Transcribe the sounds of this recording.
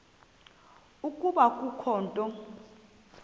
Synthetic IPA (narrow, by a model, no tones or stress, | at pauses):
ukʼuɓakʼukʰɔːntʼɔ